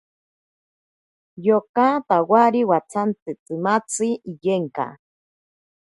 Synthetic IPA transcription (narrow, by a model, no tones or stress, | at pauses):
jokat̪awaɾiwat͡sʰant͡sɨt͡sɨmat͡sʰiijeŋka̰